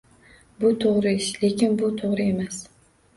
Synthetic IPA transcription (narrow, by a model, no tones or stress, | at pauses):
bʊt̪ʰoʁɾɪɪʃle̞kʲɪnbʊt̪ʰoʁɾɪe̞mas